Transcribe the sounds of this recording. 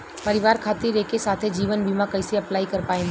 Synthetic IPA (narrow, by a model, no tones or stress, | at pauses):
pɐɾɪʋaːɾkʰaːt̪iɾekesaːt̪ʰed͡ʒiːʋənbʱimãkɐɪseɐplaːikɐɾpaːẽː